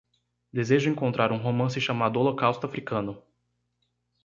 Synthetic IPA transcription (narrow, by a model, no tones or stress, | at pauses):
d̪ezeʒʊẽŋkõnt̪ɾaɾũɦomɐ̃s̬ɪʃamad̪ʊolokawst̪ʊafɾikɐ̃nʊ